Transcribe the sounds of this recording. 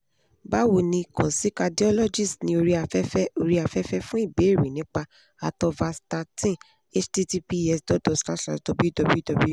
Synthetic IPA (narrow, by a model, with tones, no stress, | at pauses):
ba˦wo˨nĩ˧kɔ̃˨si˨˦ka˧di˦ɔ˦lɔ˦d͡ʒi˦˨snĩ˧o˧ɾi˧a˨ɛ˦ɛ˦o˧ɾi˧a˨fɛ˦fɛ˦fũ˦i˦˨be˨˦˨ɾĩ˨nĩ˨˦k͡pa˧ | a˨tɔ˧va˧sta˧tĩ˦ | e˦t͡ʃti˦ti˧pi˦ɛ˧sdɔ˨˦dɔ˧˨sla˦tla̰˨to˧bi˦˨dɔ˧bi˦dɔ˧bi˦